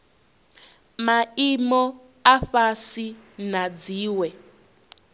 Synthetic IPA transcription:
maimɔ | afasinad͡ziːwɛ

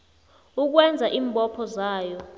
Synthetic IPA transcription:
uk̬wɛnd͡zʱaʔiːmbʼɔpʰɔzaːjɔ

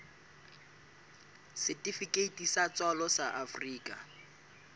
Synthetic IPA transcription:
sɪtʼifikʼeitʼisat͡sʼwalɔsaʔafriːkʼa

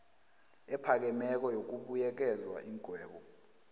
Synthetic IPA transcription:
ɛpʰak̬ɛmɛk̬ɔjok̬uɓujɛk̬ɛzwa̰ʔiŋɡʱwɛːɓɔ

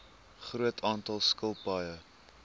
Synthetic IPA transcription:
χruətʰɑːntɐlˠskəlˠpɐjə

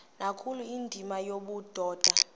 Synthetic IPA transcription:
nakʰuluindʱimajoɓud̥ʱɔːd̥ʱa

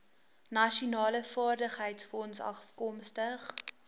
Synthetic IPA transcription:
nɐʃunɑːləfɑːrdəχɦəjtsfɔnsɐ̰fkɔmstəχ

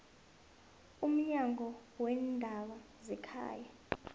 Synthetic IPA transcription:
um̩ɲaŋʱɔwɛndʱaɓazɛkʰa̰ːja

